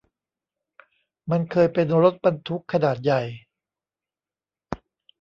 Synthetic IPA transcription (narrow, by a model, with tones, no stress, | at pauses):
ma˧nkʰɤː˧jpe˧nɾo˦˥t̪̚ba˧nt̪ʰu˦˥kʰːa˧naː˨˩t̪̚ja˨˩j